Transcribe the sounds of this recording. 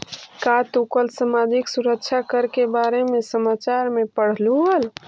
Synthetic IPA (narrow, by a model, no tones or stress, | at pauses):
kat̪ukəlsəmad͡ʒiksuɾəkt͡ʃʰakəɾkebaɾemẽsəmat͡ʃaɾmepəɽ̤luɦəl